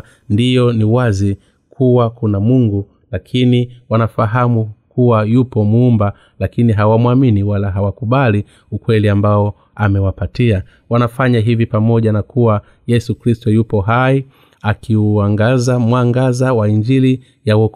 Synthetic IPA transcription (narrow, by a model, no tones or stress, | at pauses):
ndijɔniwazi | kʰuwakunamuŋɡu | lakʰiniwanafaɦamukuwajupɔmumba | lakiniɦawamwaminiwalaɦawakuɓali | ukwɛliambaɔ | amɛwapatia | wanafaɲaɦivipamɔʄanakuwa | jɛsukɾistɔjupɔɦai | akʰiuaŋɡazamwaŋɡazawaiɲd͡ʒili | jawɔk